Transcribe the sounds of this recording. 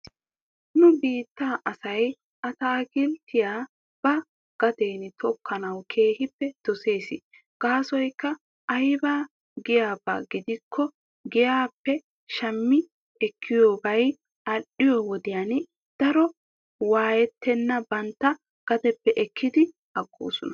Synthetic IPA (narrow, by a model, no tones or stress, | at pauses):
nʊbiːt̪ːaːʔɐsɐj | ʔɐt̪aːɡɪlt̪ʰɪjaː | b̥ɐ | ɡ̥ɐd̪eːnt̪ʰɔkʰːɐnɐwkʰe̞ːhɪpːɛd̪̥ɔse̞ːsɪ | ɡ̥aːsɔjkːɐ | ʔɐjbaː | ɡɪjaːbɐ̰ɡɪd̪ɪkʰːɔ | ɡɪjaːpːɛ | ʃɐmːɪ | ɛkʰːɪjoːbɐj | ɐlʔɪjɔwɔd̪ɪjan | d̪̥ɐɾɔ | waːjɛt̪ːɛnːɐbɐnt̪ːɐ | ɡ̥ɐd̪ɛpːɛʔɛkʰːɪd̪ɪ | ɐɡːo̰ːsʊnɐ